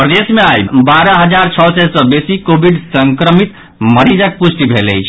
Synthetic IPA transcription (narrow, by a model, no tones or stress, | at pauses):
pɾəd̪esmeajbaɾəɦəd͡ʒaɾt͡ʃʰɔsɛsə̃besikobʱiɖsəŋkɾəmit̪ | məɾid͡ʒək̚pusʈ̪ibʱeləjt͡ʃʰ